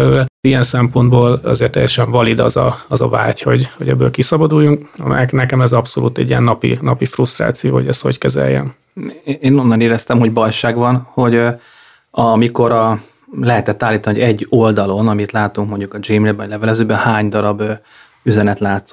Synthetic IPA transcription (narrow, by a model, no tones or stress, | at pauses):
ɛlølɛijɛnsɛmpo̞nd̪boːlɒ̰zeːrt̪ːɛ̰jɛʃɛɱvɒlid̪ɒzɒ̰ɒzɒ̰va̰ːcho̞ɟho̞ɟɛbːøːlkisɒbɒd̪uːjːuŋkɒ̰mɛ̰jɛknɛkɛmɛzɒpso̞lṵːt̪ɛ̰ɟijɛnːɒpḭnɒpifrust̪ra̰ːt̪sijoːɦoɟɛst̪ho̞ckɛzɛ̰jːɛ̰n | eːno̞nːɒneːɾɛst̪ɛmho̞ɟbɒjʃaːɡvɒnho̞ɟ | ɒmiko̞ɾɒ | lɛɦɛt̪ɛt̪ːaːlːiːt̪ɒniɦoɟɛɟːold̪ɒlo̞nɒmit̪laːt̪uŋkmo̞ɲɟukɒd͡ʒiːmlɛbɒɟlɛvɛlɛzøːbɛnhaːɲd̪ɒɾɒbø | yzɛnɛt̪laːt̪s